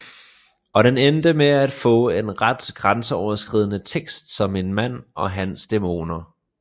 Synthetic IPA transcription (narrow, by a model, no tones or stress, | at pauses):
ɒ̽ɾ̥enend̥əmeæd̥fɔ̰̽ːe̝nʁad̥ɡ̥ʁansəɒʊɐsɡ̥ʁið̞̰ˠənət͡sʰeɡ̥sd̥sɒ̽me̝nmæn̰ʔɒ̽ɦænsd̥e̝mo̝̰ːnɐ